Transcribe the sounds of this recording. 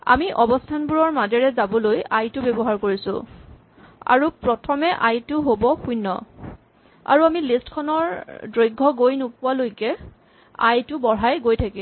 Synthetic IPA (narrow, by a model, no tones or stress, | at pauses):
a̰miʔɔbɔstʰanbuɹɔɹmadɛɹɛzabɔlojajtʊbɛbɔɦaɹkoɹisʊ̰̃ | a̰ɹupɹɔtʰɔmɛʔajtʊɦobɔkʰujnːɔ̰ | a̰ɹuamilistkʰɔnɔɹdɹojɡʱːɔɡojnopʊwalojkɛ | a̰jtʊbɔɹajɡojtʰaki